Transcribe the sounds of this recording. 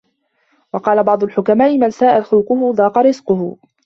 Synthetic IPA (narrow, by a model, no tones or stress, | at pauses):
wɑqɑːlabɑʕd̪ˤʊlħʊkamaːʔɪmansaːʔaxʊlqʊhʊðˤɑːqɑɾɪzqʊhʊ